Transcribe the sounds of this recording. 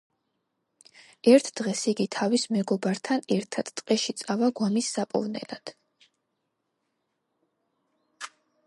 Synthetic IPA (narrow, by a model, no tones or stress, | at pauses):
ɛɾt̪ʰd̪̥ʁɛsiɡit̪ʰavismɛɡɔbaɾt̪ʰanɛɾt̪ʰat̪t̪ʼqʼɛʃit̪sʼavaɡwamisːapʼɔ̰vnɛ̰lad̪̥